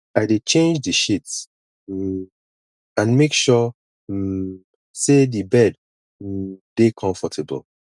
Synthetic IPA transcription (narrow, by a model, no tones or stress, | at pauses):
aɪdet͡ʃẽnd͡ʒdiʃits̩ | ãnmekʃɔ | sedibɛd̩ | dekʰɔ̃ɱfɔtʰɛbə̰l